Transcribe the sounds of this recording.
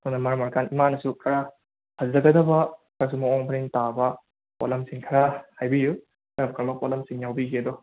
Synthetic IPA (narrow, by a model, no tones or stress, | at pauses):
onɐmaɾmaɾkanimanɐsukʰɐɾa | hazlɐɡɐdɐbɐkas̬umɐoŋbʰɐɾiŋtabɐ | po̰lɐmsiŋkʰɐɾahajbiju | taɾɐbɐkʰaɾmɐpolɐmsiŋjawbiɡiɐd̪ɔ